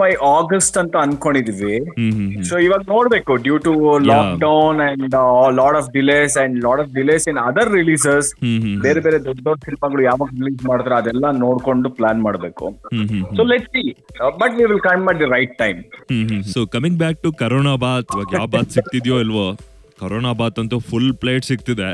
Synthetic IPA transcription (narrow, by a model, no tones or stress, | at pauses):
mɐjʔaːɡɐsʈɐnt̪ɐɐnkoɳɖid̪iʋiɦsoːiʋaːɡɐnoːɽbeːkuɖjuːʈulɔːk̚ɖɐwnɛ̃ɳɖlɔːʈɔfɖileːsɛ̃ɳɖlɔːʈɔfɖileːsĩnɐd̪ɐɾːiliːsesbeːɾebeːɾed̪ɔɖːoɖsinimɐɡɐɭujaːʋaːɡɾiliːsmaːɽd̪ɾeɐd̪ɛlːɐnoːɽkoɳɖuplaːnmaːɽbeːkṵɦsoːlɛʈsiːbɐʈʋiːʋɪlkɐ̃jmɛʈ̚d̪ɐɾaɪʈ̚ːãɪmhsoːkɐmĩŋɡbæːk̚ʈukɐɾoːnabaːt̪iʋaːɡjaːʋbaːt̪sik̚t̪id̪joːilʋoː | kɐɾoːnaːbaːt̪ɐnt̪ufulpleːʈsik̚t̪id̪e